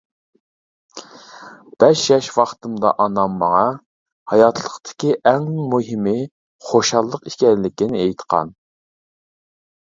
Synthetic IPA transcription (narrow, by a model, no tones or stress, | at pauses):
b̥ɛʃjɛʃwɑχt̪ʰɨmd̪ɑ̰ʔɑnɑmːɑŋɑ | hɑjɑt̪ʰlˠəqt̪ʰɪ̥kʲiʔɛŋmuɦɪmɪ | χoʃɑlˠːəqi̥ʃkʲɛɾlɪkʲinɪejt̪qʰɑ̰n